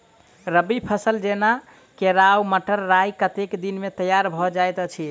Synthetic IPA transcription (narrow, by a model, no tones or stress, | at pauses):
ɾəbipʰəsəld͡ʒena | keɾawməʈəɾːajkət̪ekd̪inmet̪əjaɾbʱɔd͡ʒajt̪t͡ʃʰi